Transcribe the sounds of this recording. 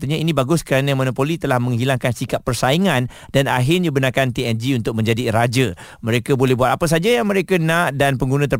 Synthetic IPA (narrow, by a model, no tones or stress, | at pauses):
t̪əɲainĩbaɡʊskəɾanəmõnopolit̪əlahmə̃ŋɦilaŋkansikapːərsaiŋãn | dana̰ɦɪnəbənakant̪iɛnd͡ʒiunt̪ʊk̚mə̃ɲd͡ʒadiɾad͡ʒə | mə̃ɾekabolɛɦbuat̪̚apəs̬ad͡ʒajaŋmə̃ɾekanãʔdanpəŋɡunə̃t̪ə